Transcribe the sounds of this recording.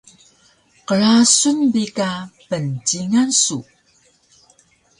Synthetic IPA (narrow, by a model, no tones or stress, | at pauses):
qəɭasunbikapənt͡ɕiŋansu